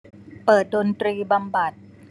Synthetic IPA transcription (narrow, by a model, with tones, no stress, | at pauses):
pɤː˨˩t̪̚do˧nt̪ɾiː˧ba˧mba˨˩t̪̚